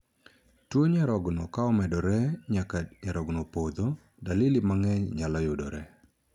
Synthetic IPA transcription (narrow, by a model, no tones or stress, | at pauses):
twoɲaɾɔɡnɔkaɔmɛdɔɾɛɲakaɲaɾɔɡnopod̪o | dalilimaŋɛɲɲalɔjʊdɔ̰ɾɛ